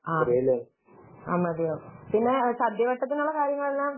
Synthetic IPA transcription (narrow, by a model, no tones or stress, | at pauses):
aːɐɾejɐlːa | amːɐd̪ejɐpinːesɐd̪jɐʋɐʈːɐt̪ːinuɭːɐkaːɾjɐŋːɐɭelːaːm